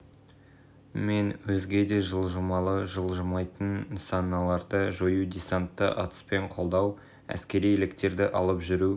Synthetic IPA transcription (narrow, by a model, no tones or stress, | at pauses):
me̞nwɵzɡʲe̞d̪e̞ʒəlˠʒəmɑlˠəʒəlˠʒəmɑjt̪ənsɑnːɑlˠɑɾd̪əʒojud̪ʲisant̪ːə̰ʔɑt̪ə̥spe̞ɴqʰo̞lˠd̪ɑw | æ̰skʲe̞ɾijelɪkt̪e̞ɾd̪ɪʔɑlˠəpʒʏɾu